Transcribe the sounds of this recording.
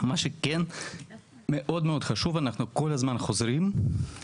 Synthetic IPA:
maʃeken | meʔo̞d̪meo̞d̪χaʃuvanaχnuko̞lazmanχo̞zɾim

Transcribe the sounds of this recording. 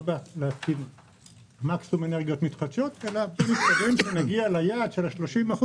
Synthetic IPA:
baleafkid | maksumeneʁɡijo̞t̪mit̪χad̪ʃo̞t̪elamiskavemʃenaɡialajaːd̪ʃelaʃlo̞ʃimaχu

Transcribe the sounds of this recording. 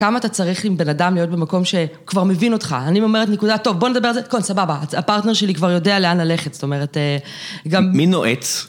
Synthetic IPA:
kamaːtat͡saʁiχlimbe̞nadamlijo̞t̚be̞mako̞mʃe̞kvaʁme̞vino̞tχa̰aniome̞etnekudato̞vbone̞d̪abe̞alzekonsababaapaʁtne̞ʁʃe̞likvaʁjo̞de̞aleanlaleχetsto̞me̞ʁ̞ete | ɡammino̰ʔet͡s

